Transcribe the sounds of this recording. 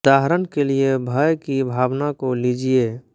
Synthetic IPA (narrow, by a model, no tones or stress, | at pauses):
d̪aɦɾənkeliebʱəjkibʱaʋnakolid͡ʒie